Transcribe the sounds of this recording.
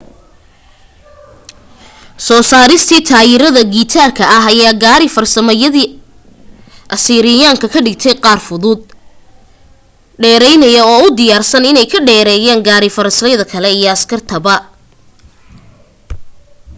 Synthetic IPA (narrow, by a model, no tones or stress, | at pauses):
sɔːsaːɾɪst̪ʰiːt̪ʰaːjɪɾɐðɐɡiːt̪ʰaːrkʰɐʔɐɦɐjaːɡaːɾɪfɐrsɐmɛjɐðiː | ʔɐsiːɾɪjaːŋkʰɐkʰɐɖɪɡt̪ʰɛjqɑːrfʊðʊd̪̚ | ɖɛːɾɛjnɐjɐɔːʊd̪ɪjaːrsɐnɪnɛjkʰɐɖɛːɾɛːjaːŋɡaːɾɪfɐɾɐslɛjðɐkʰɐlɛijɔɐskʰɐrt̪ʰɐbɐ